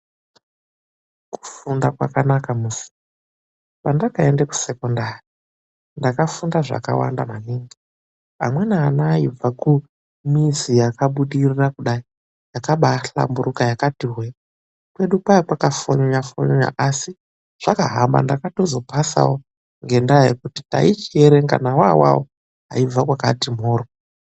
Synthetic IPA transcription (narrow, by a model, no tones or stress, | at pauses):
ku̥fundakwa̰kanakamusi̥ | pandakaendeku̥se̞kondari | ndakafundaʐa̰ka̰wa̰ndamaniːŋɡi | a̰mwe̞naːnaːib͡vaku | mizijakaɓuɗirirakuɗai | jakaɓaɬa̰mbuɾukajakatiɦwe | kwe̞ɗukaakwakafoɲoɲafo̰ɲoɲa̰ʔasi | ʐ̥akaɦamba̰ndakato̞zo̞pasa̰wo | ŋɡe̞ndajḛkutita̰it͡ʃieɾeŋɡa̰nawa̰wa̰wo̰ | ɦa̰ib͡vakwaka̰tim̤oːro